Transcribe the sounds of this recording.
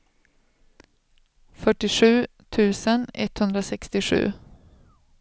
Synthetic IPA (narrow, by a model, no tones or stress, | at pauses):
fœʈːɪɧʉ̟ː | t̪ʰʉ̟ːsənɛ̰t̪hɵnd̪ɾasɛkst̪ɪɧʉ̟̰ː